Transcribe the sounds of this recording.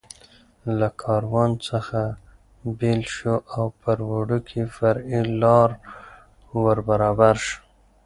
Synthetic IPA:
lakʰɑɾwɑnt͡səxa | belʃoʔawpəɾwoɖukʰefaɾilɑɾ | wəɾbaɾɑbaɾʃ

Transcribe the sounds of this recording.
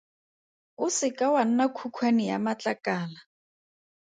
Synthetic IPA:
ʊsɪkʼawan̩nakʰukʰwenɪja̰mat͡ɬʼakʼaːla

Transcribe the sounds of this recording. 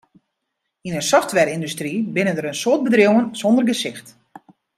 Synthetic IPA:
inənsɔftʋɛrindystribɪnəndəɾənsoːt̚bədrjowənsɔndərɡəsɪxt

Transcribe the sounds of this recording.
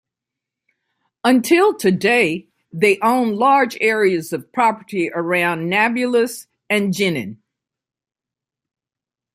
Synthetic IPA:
ə̃ntʰɪlˠtʰɨdeɪ | ðeɪʔõʊ̃nlɑɹd͡ʒɛɹiɨzʌv̥pʰɹ̥ɑpə˞ɾiʔə˞ãʊ̃nːæbjɨlˠəs | ɨ̃nd͡ʒɪ̃nɨ̰̃n

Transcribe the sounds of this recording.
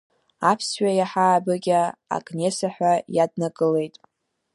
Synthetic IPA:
apʰsɥajaħaːbɨɡʲaa̰kʼne̞saħʷᶣajadnaɡɨle̞jtʼ

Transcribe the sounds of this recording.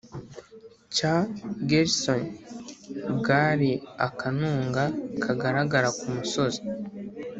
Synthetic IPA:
caɡeɾson | bɡaɾiakanuːŋɡakʰaɡaɾaɡaɾakumuso̞zi̥

